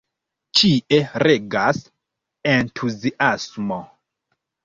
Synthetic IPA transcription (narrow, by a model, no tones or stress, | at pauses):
t͡ʃiʔeɾe̞ɡas | entʰuziʔasmo